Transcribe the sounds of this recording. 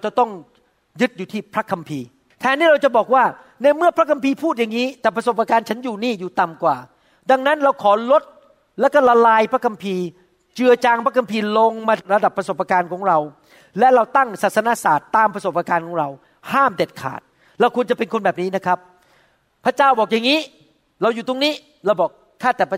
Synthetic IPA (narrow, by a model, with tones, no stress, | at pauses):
t͡ɕa˨˩t̪ɔ˥˩ŋ | jɯ˦˥t̪̚juː˨˩t̪ʰiː˥˩pʰɾa˦˥kʰa˧mpʰiː˧ | t̪ʰɛː˧˦nːiː˥˩ɾa˧wt͡ɕa˨˩bɔː˨˩k̚waː˥˩ | na˧˩mɯ˥˩ɐpʰɾa˦˥kʰa˧mpʰiː˧pʰuː˥˩t̪̚ja˨˩ŋːiː˦˥t̪ɛː˨˩pʰɾa˧so˨˩p̚ʔa˧kaː˧nt͡ɕʰa˦˥njuː˨˩niː˥˩juː˨˩t̪a˨˩mkwaː˨˩ | da˧ŋna˦˥nɾa˧wkʰɔː˩˦lo˦˥t̪̚ | lɛ˦˥wkɔ˥˩la˧laː˧jpʰɾa˦˥kʰa˧mpʰiː˧ | t͡ɕɯ˧ɐt͡ɕaː˧ŋpʰa˦˥kʰa˧mpʰiː˧lo˧ŋmaː˧ɾa˧da˨˩pːɾa˧so˨˩p̚ʔa˧kaː˧nkʰɔː˩˦ŋɾa˧w | lɛ˦˥ʔɾa˧wt̪a˥˩ŋsa˨˩t̪̚sa˧na˦˥saː˨˩t̪ːaː˧mpʰɾa˧so˨˩p̚ʔaː˧kaː˧nkʰɔː˩˦ŋɾa˧w | haː˥˩mde˨˩t̪̚kʰa̰ː˨˩t̪̚ | ɾa˧wkʰu˧ənt͡ɕa˨˩pe˧nkʰo˧nbɛː˨˩p̚niː˦˥na˦˥kʰa˦˥p̚ | pʰːa˦˥t͡ɕaː˥˩wbɔː˨˩k̚ja˨˩ŋːiː˦˥ | ɾa˧wjuː˨˩t̪o˧ŋniː˦˥˩ | ɾa˧wbɔː˨˩k̚ | kʰːaː˥˩t̪ɛː˨˩pʰ